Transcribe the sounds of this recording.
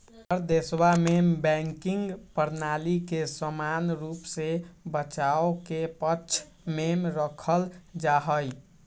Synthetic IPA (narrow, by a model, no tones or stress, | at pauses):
əɾd̪eswamembɛ̃ŋkiŋɡpəɾnalikesəmanɾupsebət͡ʃaokepət͡ʃʰ | memɾəkʰəld͡ʒaɦəj